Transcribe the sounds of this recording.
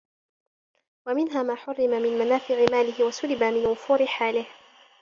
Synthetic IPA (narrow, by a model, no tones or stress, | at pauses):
wamɪnɦaːmaːħʊrːɪmamɪnmanaːfɪʕɪmaːlɪɦɪwasʊlɪbamɪnwʊfuːɾɪħaːlɪh